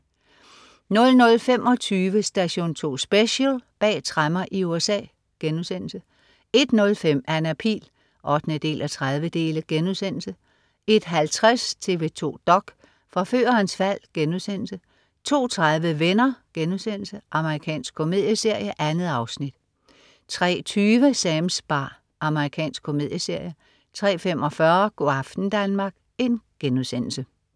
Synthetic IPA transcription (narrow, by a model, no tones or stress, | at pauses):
nɔ̽lnɔ̽lfemʔɒ̽t͡sʰyːʋəsd̥æɕo̝̰ːnt͡sʰo̝̰ːsb̥eɕəlb̥ɛ̰ːt͡sʰʁamɐʔiuesɛ̰ː | ɡ̥enuðˠsen̰l̩sə | e̝d̥nɔ̽lfem̰ænæpʰʁḭːl | ʔɒ̽d̥nəd̥e̝̰ːlʔæt͡sʰʁað̞ˠʋəd̥e̝̰ːləɡ̥enuðˠsen̰l̩sə | e̝d̥ɦælt͡sʰʁast͡sʰe̝ʋe̝t͡sʰo̝̰ːd̥ɒ̽ɡ̥ | fʁɑ̈fø̰ːɐːnsfæl̰ɡ̥enuðˠsen̰l̩sə | t͡sʰo̝̰ːt͡sʰʁaðˠʋəʋenɐɡ̥enuðˠsen̰l̩səʔɑ̈məʁikʰɛ̰ːnsɡ̥kʰːo̝me̝ð̰ˠjəse̝ɐ̰jəʔænð̩ˠɑ̈ʊsnid̥ | t͡sʰʁɛ̰ːt͡sʰyːʋəsɛmsb̥ɑ̈ː | ʔɑ̈məʁikʰɛ̰ːnsɡ̥kʰo̝me̝ð̰ˠjəse̝ɐ̰jə | t͡sʰʁɛ̰ːfem̰ɒ̽fɶɐɡ̥o̝ɑfd̥n̩d̥ænmɑ̈ːɡ̥̚ | e̝nɡ̥enuðˠsen̰l̩sə